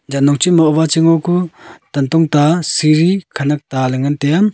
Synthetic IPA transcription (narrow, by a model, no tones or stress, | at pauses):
d͡ʒanɔŋt͡ʃimɔɔbat͡ʃiŋɔkʰutantɔŋtasiɾikʰanak̚talɯŋɯntejam